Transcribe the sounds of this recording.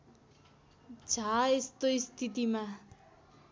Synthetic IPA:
d͡zʱaest̪oist̪ʰit̪̬ima

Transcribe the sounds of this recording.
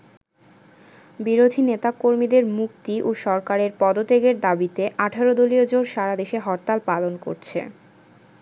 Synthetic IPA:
biɾod̪ʱinet̪akoɾmid̪eɾmukt̪iʔoʃɔɾkaɾeɾpɔd̪ot̪eɡeɾd̪abit̪eʔaʈʰaɾod̪oliod͡ʑonʃaɾad̪eʃeɦɔɾt̪alpalonko̰ɾt͡ɕʰḛ

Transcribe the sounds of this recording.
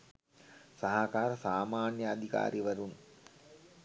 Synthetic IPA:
saɦakaːɾəsaːmaːnjəad̪ʱika̰ːɾiʋəɾun

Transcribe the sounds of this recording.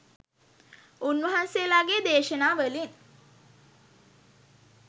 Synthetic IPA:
unʋəɦanselaɡed̪eːʃənaːʋəlin

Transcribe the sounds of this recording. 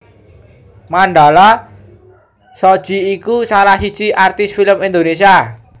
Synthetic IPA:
maɳɖa̤la | sɔd̥ʒ̥i̤ikusalahsid̥t͡ʃiʔart̪ɪsfiləmind̪onesia

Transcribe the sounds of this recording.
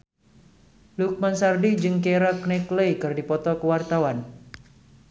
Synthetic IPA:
luk̚mansardid͡ʒɨŋkɛɾaknɛkləjkɨrdipɔt̪ɔkəwart̪awan

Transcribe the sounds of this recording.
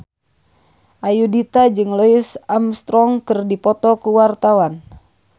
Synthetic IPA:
ʔajudit̪ad͡ʒɨŋlɔisamst̪ɾɔŋkɨrdipɔt̪ɔkuwart̪awan

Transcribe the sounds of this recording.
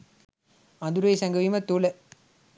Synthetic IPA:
ɐnd̪uɾɐjsɐŋɡɐʋiːmɐt̪ːoːlɐ

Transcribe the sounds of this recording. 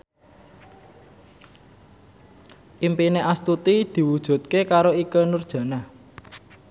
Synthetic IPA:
ʔimpineʔast̪ut̪id̪̥i̤wud̥ʒ̥ṳt̪̚kekaɾoikənurd̥ʒ̥a̤na

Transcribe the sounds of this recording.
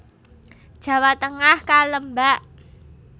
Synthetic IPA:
d̥ʒ̥ä̤wat̪əŋahkaləmbaʔ

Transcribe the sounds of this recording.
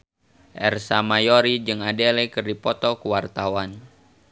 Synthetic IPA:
ʔɛ̰rsamajoɾid͡ʒɨŋadelɛkərdipɔt̪ɔkuwart̪awan

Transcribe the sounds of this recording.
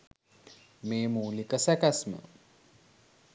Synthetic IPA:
meːmuːlikəsakasmə̰

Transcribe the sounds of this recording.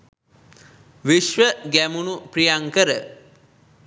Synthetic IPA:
ʋiʃʋəɡæmunupɾijaŋkəɾə

